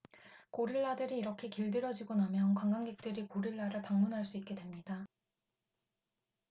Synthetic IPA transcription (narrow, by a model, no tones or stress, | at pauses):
koɾiɭːadɯɾiːɾʌkʰe̞kiɭdɯɾjʌd͡ʑiɡonamjʌnkwaŋɡaŋɡe̞k̚t͈ɯɾikoɾiɭːaɾɯɭpaŋmunɦaɭs͈uit̚k͈e̞dwe̞mɲida